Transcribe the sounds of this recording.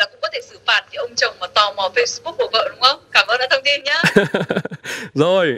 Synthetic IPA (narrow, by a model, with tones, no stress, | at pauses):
laː˨˩kʊ̰˧˥ŋ͡mkɔ˨˦t̪ʰe˧˩sɨ˧˩faː˨˩t̚ki˨˧˦ʔə˧wŋ͡mt͡ɕə˨˩wŋ͡mmaː˨˩t̪ɔ˧˩mɔ˨˩fe˧jsɓu˦˥k̚ho˧˩və̰ː˧˨ɗʊ˨˦ŋ͡mxə˧wŋ͡mkaː˧˩mʔəː˧nɗa̰ː˧˥t̪ʰə˧ŋ͡mt̪i˧nɲaː˨˦ | zo˨˩j